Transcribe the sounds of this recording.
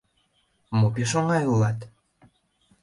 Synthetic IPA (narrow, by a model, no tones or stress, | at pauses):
mopeʃoŋɑjulɑt̪